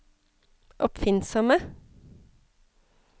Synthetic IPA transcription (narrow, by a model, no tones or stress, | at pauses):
ʔɔpfɪnsɔmə